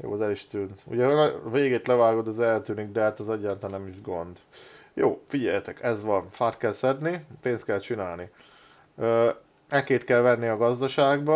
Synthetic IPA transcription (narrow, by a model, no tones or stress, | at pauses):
jo̰ːzɛliʃt̪yːnt̪ṵɟɛɦoveːɡeːt̪lɛvaːɡo̞d̪ɛzɛlt̪yːniɡd̪ɛɦat̪ɒzɒɟaːnt̪anɛmiʒɡo̞nd̪jo̰ːfiɟɛjɛt̪ɛkɛzʋɒnfaːrt̪̚kɛlsɛd̪nipeːnst̪kɛlt͡ʃinaːlni | øː | ɛkeːt̪kɛlvɛnːiɒɡɒzd̪ɒʃaːɡbɒ